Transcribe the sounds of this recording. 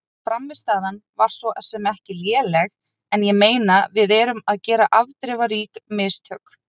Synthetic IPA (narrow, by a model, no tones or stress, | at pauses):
fɾamːɪst̪aːðanvaɾ̥sɔʔɛsɛmɛhcɪljɛːlɛɣ | ɛnjɛmeːjnavɪðɛːɾʏmaðcɛːɾaʔavt̪ɾɪvaɾiːkmɪst̪hœk